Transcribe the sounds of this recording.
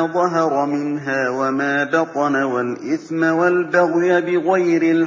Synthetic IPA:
ðˤɑɦɑɾˤɑmɪnɦaːwamaːbɑt̪ˤɑnawalʔɪθmawalbaɣjabɪɣajɾɪl

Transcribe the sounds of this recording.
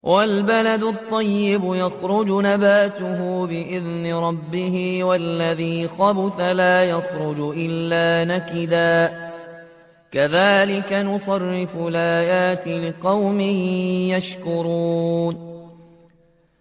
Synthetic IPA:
wʔalbalad̪ʊt̪ˤːɑjːɪbʊjaxɾʊd͡ʒʊnabaːt̪ʊɦʊbɪʔɪðnɪɾˤɑbːɪhɪwalːaðiːxɑbʊθalaːjɑxɾʊd͡ʒʔɪlːaːnakɪd̪aː | kaðaːlɪkanʊsˤɑrːɪfʊlʔaːjaːt̪ɪlɪqɑwmɪjaʃkʊɾuːn

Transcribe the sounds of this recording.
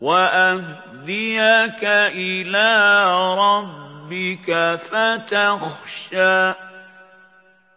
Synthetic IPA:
waʔah | d̪ɪjakaʔɪlaːɾˤɑbbːɪkafat̪axʃaː

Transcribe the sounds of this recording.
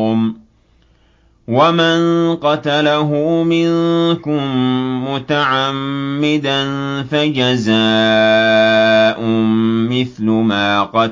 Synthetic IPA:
m | wamanqɑt̪alaɦʊmɪŋnkʊmːʊt̪aʕamːɪd̪anfad͡ʒazaː | ʔʊːɪθlʊmaːqɑ

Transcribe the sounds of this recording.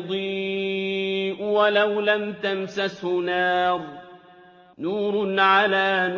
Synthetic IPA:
d̪ˤiː | ʔwalawlamt̪amsashʊnɑːɾˤ | nuːɾʊnʕalaːn

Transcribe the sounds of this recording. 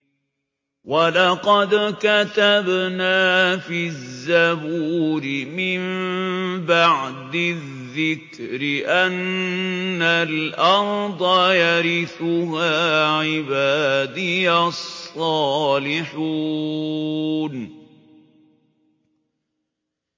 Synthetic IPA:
walɑqɑd̪kat̪abnaːfizzːabuːɾɪmɪm | baʕd̪ɪððːɪk | ɾɪʔanː | alʔɑɾd̪ˤɑjaɾɪθʊɦaːʕɪbaːd̪ɪjasˤːɑːlɪħuː | n

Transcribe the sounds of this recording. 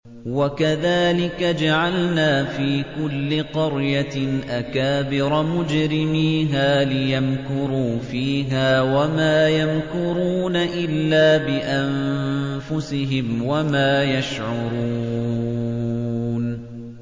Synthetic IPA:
wakaðaːlɪkad͡ʒaʕalnaːfiːkʊlːɪqɑɾjaʔakaːbɪɾˤɑmʊd͡ʒɾɪmiːɦaːlɪjamkʊɾuːfiːɦaːwamaːjamkʊɾuːnaʔɪlːaːbɪʔammfʊsɪɦɪmwamaːjaʃʕʊɾuː | n

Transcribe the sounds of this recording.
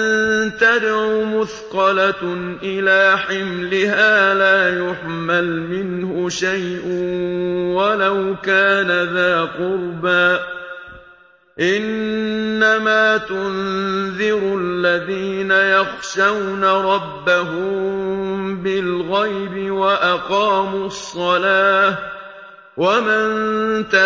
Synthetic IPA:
nnt̪ad̪ʕʊmʊθqɑlaʔɪlaːħɪmlɪhaːlaːjʊħmalmɪnhʊʃajʔ | walawkaːnaðaːqʊɾbaː | ʔɪnː | amaːt̪ʊnðɪɾʊʔalːaðiːnajɑxʃawnaɾˤɑbːaɦʊmmbɪlɣajbɪwaʔaqɑːmuɑsˤːɑlaː | wamant̪a

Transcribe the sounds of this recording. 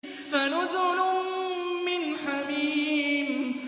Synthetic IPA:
fanʊzʊlʊ | mɪnħabiːm

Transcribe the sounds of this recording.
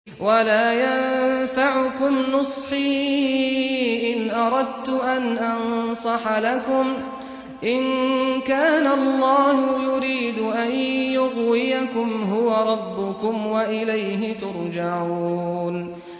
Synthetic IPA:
walaːjannnfaʕʊkʊmnʊsˤħiː | ʔɪnʔɑɾˤɑd̪t̪ʊʔanʔɑnsˤɑħlakʊm | ʔɪnkaːnaɑlˤːɑːhʊjʊɾiːd̪ʊʔanjʊɣwɪjakʊmɦʊwaɾˤɑbːʊkʊmwaʔɪlajɦɪt̪ʊɾˤd͡ʒaʕuuːn

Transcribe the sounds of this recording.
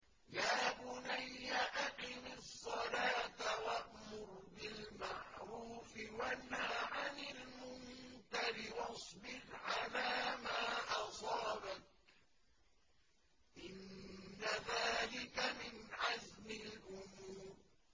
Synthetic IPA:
jaːbʊnajːaʔaqɪmɪsˤːɑlaːt̪awaʔmʊɾbɪlmaʕɾuːfɪwanːaːʕanɪlmʊnkaɾɪwɑsˤbɪɾʕalaːmaːʔɑsˤɑːbat̪̚ | ʔɪnːaðaːlɪkamɪnʕazmɪlʔʊmuːɾ

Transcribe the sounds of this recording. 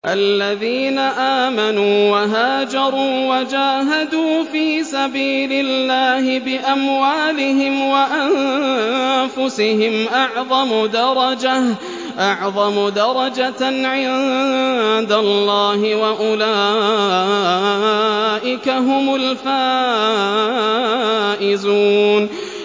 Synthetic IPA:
ʔalːaðiːnaʔaːmanuːwaɦaːd͡ʒɑɾˤuːwad͡ʒaːɦad̪uːfiːsabiːlɪlːaːhɪbɪʔamwaːlɪɦɪmwaʔan | fʊsɪhɪmʔɑʕðˤɑmʊd̪ɑɾˤɑd͡ʒa | ʔɑʕðˤɑmʊd̪ɑɾˤɑd͡ʒaʕɪja | d̪alːɑːhɪwaʔʊlaː | ʔɪkaɦʊmʊlfaː | ʔɪzuːn

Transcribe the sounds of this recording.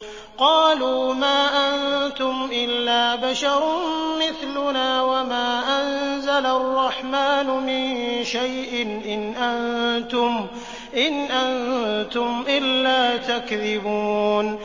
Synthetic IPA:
qɑːluːmaːʔant̪ʊmʔɪlːaːbaʃɑɾˤmɪθlʊnaːwamaːʔanzalaɑrˤːɑħmaːnʊmɪnʃajʔɪnʔɪnʔant̪ʊm | ʔɪnʔant̪ʊmʔɪlːaːt̪akðɪbuːn

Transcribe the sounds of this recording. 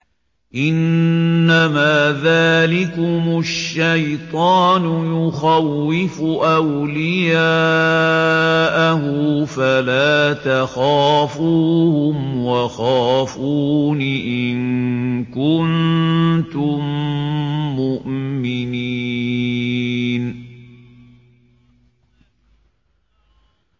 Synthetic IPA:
ʔɪnː | amaːðaːlɪkʊmʊʃːajt̪ˤɑːnʊjʊxawːɪfʊʔawlɪjaː | ʔaɦʊfalaːt̪axaːfuːhʊmwaxaːfuːnɪʔɪnkʊnt̪ʊmː | ʊʔmɪni | n

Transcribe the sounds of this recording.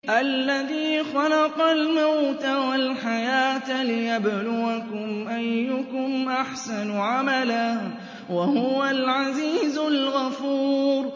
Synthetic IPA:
ʔalːaðiːxɑlɑqɑlmawt̪awalħajaːt̪lɪjablʊɣakʊmʔajːʊkʊmʔaħsanʕamala | wahʊwalʕaziːzʊlɣafuːɾ

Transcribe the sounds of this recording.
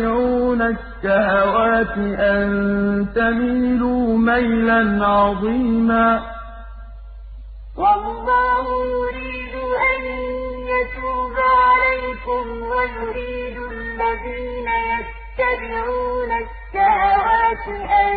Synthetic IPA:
ɪʕuːnaʃːahawaːt̪ɪʔannt̪amiːluːmajlanʕɑðˤiːmaː | wɑlˤːɑːhʊjʊɾiːd̪ʊʔanjat̪uːbaʕalajkʊmwajʊɾiːd̪ʊ | lːaðiːnaja | t̪ːabɪʕuːnaʃːahawaːt̪ɪʔa

